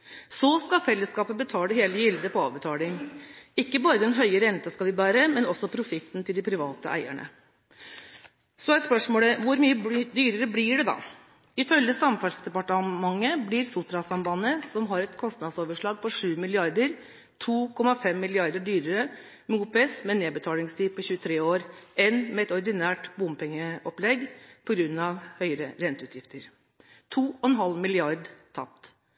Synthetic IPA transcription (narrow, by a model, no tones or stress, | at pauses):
sɔskɑfɛlːəskɑːpəbət̪ʰɑːləɦeːləjɪld̪əpʰɔɑ̰ːʋbət̪ʰɑːlɪŋɪkːəbɑːɾəd̪ɛnɦœʏəɾɛnt̪əskɑʋɪbæːɾəmɛnɔsːɔpʰɾʊfɪt̪ːn̩t̪ʰɪld̪ɪpʰɾɪʋɑ̰ːt̪əʔæ̰ɪæ̰ɳə̰ | sɔæɾspœʂmoːləʋʊɾmyːəd̪yːɾəɾəblɪɖɛd̪ɑ̰ː | ɪfœljəsɑmfɑlsd̪ɛpɑʈəmɑŋːəblɪɾsʊt̪ɾɑsɑmbɑnəsɔmɦɑɾɛt̪kʰɔst̪nɑd̪soːʋəʂɭɑːɡ̚pʰɔʂʉːmɪlɪɑɾd̪əɾ | t̪ʰuːkʰɔmɑfɛmːɪlɪɑɾd̪əɖyːɾəɾə | muːt̪̚pʰɛsmɛneːbət̪ʰɑːlɪŋst̪ʰiːpʰɔçʉːət̪ʰɾeːoːɾɛnmɛɛt̪ɔɾd̪ɪnæːʈbʊmpʰɛŋːəɔplɛɡpʰɔɡɾʉnːɑʋhœʏɾəɾɛnt̪əʉːt̪ʰjɪft̪ʰəɾ | t̪ʰuːɔɛnɦɑlmɪlɪɑɾd̪t̪ʰɑ̰p̚t̪